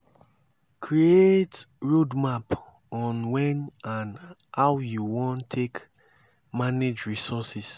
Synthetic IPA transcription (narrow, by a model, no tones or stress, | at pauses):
kʰɹietɹodmap | ɔ̃nwɛ̃nãnhawjuwɔ̃ntʰek | maned͡ʒɹisɔsis